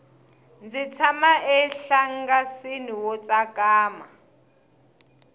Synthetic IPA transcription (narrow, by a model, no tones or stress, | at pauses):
nd͡zit͡sʰamaɛɬaŋ̩ɡasiniwɔt͡sʼakʼaːma